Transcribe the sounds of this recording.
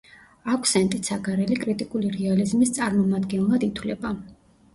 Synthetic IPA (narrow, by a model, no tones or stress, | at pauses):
akʷʰsɛnt̪ʼit̪saɡaɾɛlikʼɾit̪ʼikʼuliɾɛalizmist̪sʼaɾmɔmad̪ɡɛnlˠad̪it̪ʰwlɛba